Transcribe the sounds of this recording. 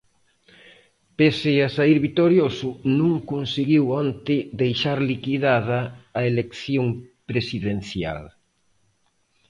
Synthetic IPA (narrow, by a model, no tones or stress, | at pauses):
pesɪasaiɾβit̪oɾjosʊnũŋkunsiɣiwɔnt̪ɪd̪ejʃaɾlikiðaðɐːelekθjoŋpɾesiðenθja̰l